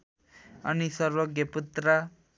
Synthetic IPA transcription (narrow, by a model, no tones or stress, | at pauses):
ʌnisʌrwʌɡjʌput̪rʌ